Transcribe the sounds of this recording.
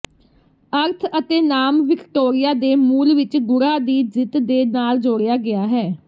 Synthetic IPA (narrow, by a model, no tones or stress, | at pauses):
əɾt̪ʰət̪eːnaːmʋɪkʈoːɾɪjaːd̪eːmuːlʋɪt͡ʃɡʊɾaːd̪iːd͡ʒɪt̪d̪eːnaːld͡ʒoːɽɪjaːɡɪaːɦɛː